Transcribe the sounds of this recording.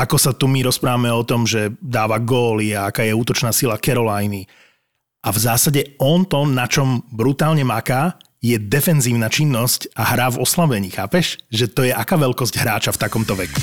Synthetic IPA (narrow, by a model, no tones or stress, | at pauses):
akɔsat̪umiɾɔspɾaːʋamɛɔt̪ɔmʒɛd̪aːʋaɡɔːliaakaːjɛuːt̪ɔt͡ʃnaːsilakɛɾɔlajni | ʔavzaːsaɟɛɔnt̪ɔnat͡ʃɔmbɾut̪aːlɲɛmakaː | jɛd̪ɛfɛnziːʊnat͡ʃinːɔscaɦɾaːvɔslabɛɲiːxaːpɛʃʒɛt̪ɔjɛʔakaːʋɛlkɔzɟɦɾaːt͡ʃaft̪akɔmt̪ɔʋɛku̥